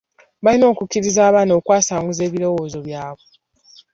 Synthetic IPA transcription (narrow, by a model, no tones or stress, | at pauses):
βalino̞ːkukiɾizaːβaːnoːkwaːsaːŋɡuze̞ːβiɾo̞wo̞ːzo̞βjaːβo